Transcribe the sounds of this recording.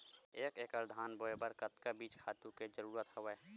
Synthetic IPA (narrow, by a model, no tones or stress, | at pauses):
eːkeːkəɾd̪ʱaːnboːebəɾkət̪kabiːt͡ʃkʰaːt̪ũked͡ʒəɾuːɾət̪hoʋɛː